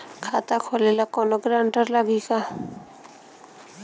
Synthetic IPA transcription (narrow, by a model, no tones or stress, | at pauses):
kʰat̪akʰɔlelakɔnɔɡɾaɳʈaɾlaɡika